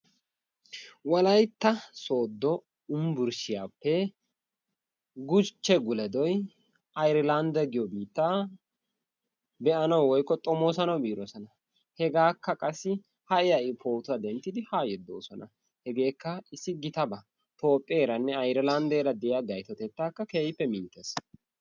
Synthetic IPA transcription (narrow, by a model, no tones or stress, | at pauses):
wɔlɐjt̪ːɐso̞ːd̪ːɔ | ʊmbʊɾʃɪjaːpːɛ | ɡʊt͡ʃːɛɡʊlɛd̪ɔj | ɐjɾɪland̪ɐɡɪjɔbiːt̪ːa | bɛʔɐnɐwwɔjkːɔt̪ʼɔmoːsɐnɐwbiːɾɔsɔnɐ | hɛɡaːkːɐkʼɐsːɪ | hɐʔɪjɐʔɪpʰo̞ːt̪ʊɐd̪ɛnt̪ːɪd̪ɪhaːjɛd̪ːo̞̰ːsɔnɐ | hɛɡe̞ːkːɐɪsːɪɡɪt̪ɐbɐ | t̪o̞ːpʼːɐːɾɐnːɛɐjɾɪlɐnd̪eːɾɐd̪ɛɪjaɡɐjt̪ɔt̪ɛt̪ːaːkːɐkeːjɪpːɛmɪnt̪ːes